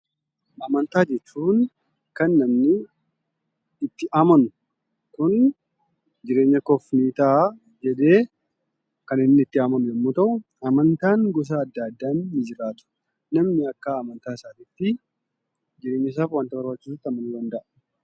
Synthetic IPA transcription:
ʔɐmɐnt̪aːd͡ʒɛt͡ʃːuːn | kɐnːɐmnɪ | t̪ːɪʔaːmɐnʊ | kʊn | d͡ʒɪɾeːɲːɐkɔfniːt̪aː | d͡ʒɛd̪e̞ː | kɐnɪnːɪɪt̪ːɪaːmɐnʊɛmːuːt̪ɐʔʊ | ɐmɐnt̪aːŋɡɔs̬aɐd̪ːɐd̪ːaːnːɪd͡ʒɪɾaːt̪ʊ̥ | nɐmnɪɐkːaːmɐnt̪aːɪsaːt̪iːt̪ːɪ | d͡ʒɪɾe̞ːɲːɪs̬aːfwaːnt̪ɐbɐɾbɐt͡ʃːiːs̬ʊt̪ːɐmɐnud̪ɐnd̪ɐʔɐ

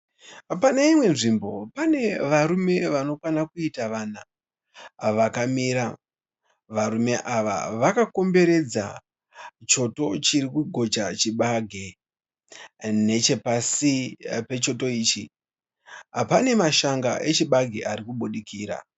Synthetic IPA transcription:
paneimwe̞nʐimbo̞pane̞ʋaɾume̞ʋano̞kwanakuitaʋana | ʋakamiːɾa | ʋaɾume̞ʔaʋa̰ʋakako̞mbe̞ɾe̞d͡za̰ | t͡ʃo̞to̞t͡ʃiɾikuɡʱo̞t͡ʃat͡ʃiɓaɡʱe | ne̞t͡ʃe̞pasipe̞t͡ʃo̞to̞iːt͡ʃi | pane̞maʃaŋɡa̰ʔe̞t͡ʃiɓaɡʱiʔaɾikuɓuɗikʰiːɾa̰

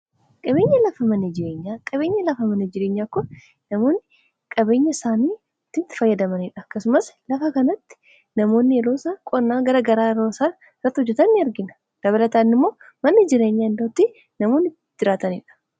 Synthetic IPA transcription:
kʼɐbe̞ːɲːɐlɐfɐmɐnid͡ʒɪɾe̞ːɲːaːkʼɐβe̞ːɲːɐlɐfɐmɐnid͡ʒɪɾeːɲːaːkːɔ | nɐmoːnːɪ | kʼɐbe̞ːɲːɐɪsaːniː | t̪ːɪt̪ːɪ̥fɐjːɐd̪ɐmɐniːᶑɐkːɐsʊmɐslɐfɐkɐnɐt̪ːɪ̥ | nɐmo̞ːnːɪɛloːsaːkʼɔnːaːɡɐɾaɡɐɾaːɪɾo̞ːsaː | ɪrːɐt̪ːɪhɔd͡ʒːɛt̪ɐnːɪɐɾɡɪnɐ̥ | d̪̥ɐβɐlɐt̪aːnːɪmːo̞ː | mɐnːɪd͡ʒɪɾeːɲːaɪnd̪ot̪ːi | nɐmo̞ːnːɪ | d͡ʒɪɾaːt̪ɐnḭːᶑɐ̥

